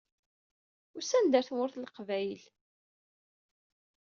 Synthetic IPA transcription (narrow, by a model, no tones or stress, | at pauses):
ʊɾsænd̪æɾθwʊɾθlqvæjl